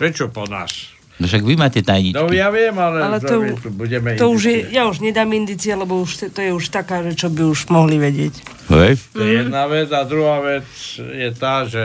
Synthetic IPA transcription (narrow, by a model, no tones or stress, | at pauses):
pɾɛt͡ʃɔpɔna̰ːs | nɔʃaɡʋimaːcɛt̪ajɲinɔjaʋɪɛmalɛalɛtɔit̪ubuɟɛmɛit̪ɔuʒjɛjauʒɲɛd̪aːmind̪it͡sialɛbɔuʃt̪t̪ɔjɛuʃt̪akaːʒɛt͡ʃɔbiuʒmɔɦliʋɛɟɪɛc | ɦɔj̪ɔɛjɛd̪naʋɛd͡zad̪ɾuɦaːʋɛt͡sjɛt̪aːʒɛ